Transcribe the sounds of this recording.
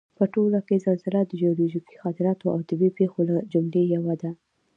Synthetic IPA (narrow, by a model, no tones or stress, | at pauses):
pəʈolakezazɪlad̪əd͡ʒeɑlod͡ʒiki̥xɑt̪ɪɾɑt̪oa̰wt̪əbipexolad͡ʒʊmlejawad̪a